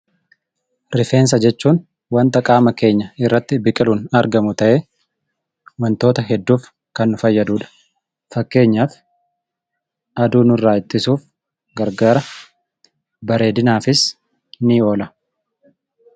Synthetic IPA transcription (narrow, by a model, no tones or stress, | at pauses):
ɾɪfeːns̬ɐd͡ʒɛt͡ʃːuːn | wɐnt̪ɐkʼaːmɐke̞ːɲːɐɪrːɐt̪ːɪbɪkʼɪluːnɐɾɡɐmʊt̪ɐʔeː | wɐnt̪o̞ːt̪ɐɦɛd̪ːuːf | kɐnːʊfɐjːɐd̪uːᶑɐ̥ | fɐkːe̞ːɲːaːf | ɐd̪uːnʊrːaːɪt̪ːɪsuːf | ɡɐɾɡaːɾɐ | bɐɾe̞ːd̪ɪnaːfɪs | nɪo̞ːlɐ